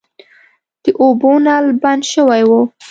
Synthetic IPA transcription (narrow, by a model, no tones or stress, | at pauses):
d̪̥əʔobonɑlband̪ʃəwajwo